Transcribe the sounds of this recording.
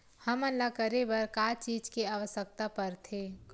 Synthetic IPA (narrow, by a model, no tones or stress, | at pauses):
həmənlakəɾebəɾkaːt͡ʃiːd͡ʒkeaʋəsək̚t̪apəɾt̪ʰe